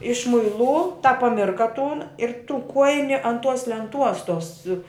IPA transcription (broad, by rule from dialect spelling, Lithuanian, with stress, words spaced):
ɪʃmʊɪˈlˠuː tɑː pɐˈmʲɪrkɐ tuːn ɪr tuː ˈkuɔjɪnʲɪ ɐn tuɔs lʲɛnˈtuɔs tuɔs